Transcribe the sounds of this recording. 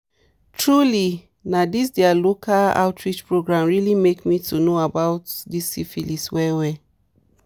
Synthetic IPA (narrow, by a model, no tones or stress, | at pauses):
tʰɹuli | nadis̬dɛalokʰala̰ʊtʰɹit͡ʃpɹoɡɹãmɹilimekmitʰunoabaʊtdisifiliswɛwɛ